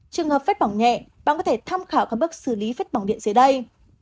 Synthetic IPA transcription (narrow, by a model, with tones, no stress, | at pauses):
t͡ɕɨ˨˩əŋhəː˨˩pfə˦˥t̚ɓa˧˩wŋ͡mɲɛ̰˧˨ɓa̰ː˧˨kɔ˨˦t̪ʰe˧˩t̪ʰa˧mxaː˧˩wkaː˦˥k̚ɓɨ˦˥ək̚sɨ˧˩li˨˦fə˦˥t̚ɓa˧˩wɗḭ˧˨ənzə˨˦ɗə˧j